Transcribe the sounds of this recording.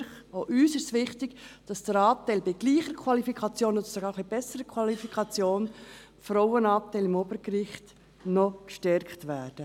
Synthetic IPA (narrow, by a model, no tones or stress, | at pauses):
χ | oʔyːsɪstʋɪχtɪɡd̥ɑsd̥əɾɑːtæɪlbɪɡ̥liːχəɾkʰwɑlifikʰɑt͡sjoːnod̥̪əsɔɡɑːɾχlibɛsəɾəkʰwɑlifikχɑt͡sjoːn | fɾɔwənɑːtæɪlɪmobəɾkɾɪχt | nɔkʃtɛɾktʋæːd̥ə